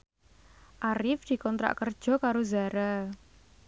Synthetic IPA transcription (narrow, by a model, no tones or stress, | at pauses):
ʔaɾɪfd̪̥i̤kɔnt̪ɾa̰ʔkərd̥ʒ̥ɔ̤kaɾozaɾa